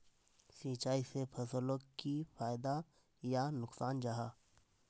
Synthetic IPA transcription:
siːt͡ʃaːisepʰɐsələkkipʰaːjd̪a | janʊksaːnd͡ʒaɦaː

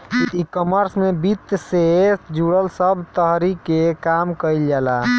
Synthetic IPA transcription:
ikɔməɾsmebit̪ːsed͡ʒuɽəlsəbʱt̪əɦɾikekamkəjld͡ʒɛla

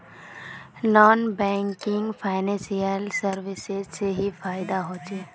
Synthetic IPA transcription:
nɔːnbɛ̃ːŋkɪ̃ŋɡfʰaːɪnɛ̃ːnsijəlsɐɾʋɪsɪzseɦifaːɪd̪aɦoːt͡ʃeː

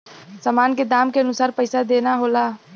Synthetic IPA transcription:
samaːnked̪aːmkeənʊsaːɾpəɪsad̪eːnaɦoːlaː

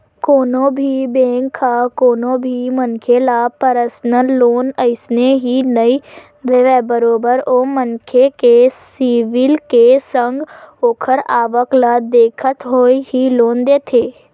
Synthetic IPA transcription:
koːnõbʱibẽːŋkʰːakoːnõbʱimənkʰelapəɾəsnəlːoːnəɪsneɦinəi | d̪eʋɛbəɾoːbəɾomənkʰekesiʋɪlkesə̃ŋɡoːkʰəɾaːʋəklad̪eːkʰət̪ɦoːiɦiloːnd̪eːt̪ʰeː

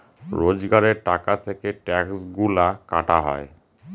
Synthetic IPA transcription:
ɾod͡ʑɡaɾeɾʈakat̪ʰekeʈɛksɡulaka̰ʈaɦɔ̰e

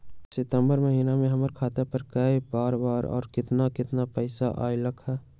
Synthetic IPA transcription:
sɪt̪əmbəɾməɦiːnamẽɦɐməɾkʰaːt̪epəɾkəibaːɾbaːɾɔ̰ːɾkɪt̪nakɪt̪napəɪsaʔa̰ːiləkʰɛː

